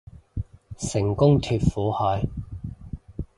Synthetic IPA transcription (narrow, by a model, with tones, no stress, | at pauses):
sɪ˨˩ŋkʊ˥ŋt̪ʰyː˨˧t̚fuː˨˥hɔː˨˧j